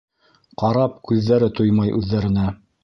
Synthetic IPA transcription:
qɑɾɑp̚kʉðːæɾɘt̪ujmɑjʔʉðːæɾɘ̆næ

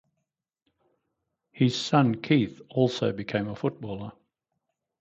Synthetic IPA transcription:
hɪz̥sʌ̃nkʰiˑθɔˑlˠsəʊbɪkʰẽɪ̃məfʊt̚b̥ɔːlˠə

